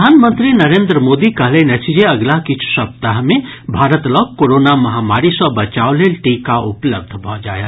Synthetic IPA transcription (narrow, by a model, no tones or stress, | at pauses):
d̪ʱaːnmə̃nt̪ɾinɐɾẽːnd̪ɾəmoːd̪ikɐɦlenɐt͡ʃid͡ʒeɐɡlakɪt͡ʃʰsɐp̚t̪aɦmẽ | bʱaːɾət̪lɔːɡkoːɾoːnamɐɦaːmaːɾisəbət͡ʃaːoleːlʈiːkːaʔʊpləb̚d̪ʱbʱɔ̃d͡ʒa̰ːja